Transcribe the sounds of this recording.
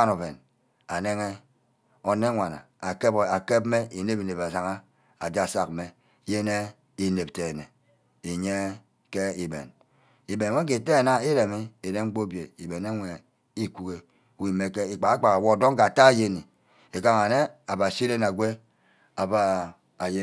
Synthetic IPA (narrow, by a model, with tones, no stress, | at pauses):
a˦no˨be˨n | a˨ne˦ŋe˦ | o˨ne˦ŋʷa˨na̰˨ | a˨ke˦ba˨ke˦b̚me˦i˨ne˦bi˨ne˨ba˨sa˨ŋa˦ | a˨d͡ʒa˦˨sa˨k̚me˦ | je˦ne˦ | i˨ne˨p̚te˨ne˨ | e˨ɲe˦ | ke˦i˨bḛ˨n | i˨be˨n˨ŋʷe˦ke˨te˦˨na˦i˦ɾe˨mi˦e˨de˦ŋ͡m̩˦k͡po˦bje˨i˨be˨ne˦ŋʷe˨ | i˦ku˨ke˨˦ | wi˨me˦ke˦i˨k͡pa˨a˦k͡pa˨ka˨wo˦˨do˦ŋ˦ka˨a˨ta˦˨je˦ni˨ | e˨ka˦ŋa˨ne˦a˨ba˨si˦ɾe˦n˨a˨ɡʷe˦ | a˨ba˨ | a˨je˦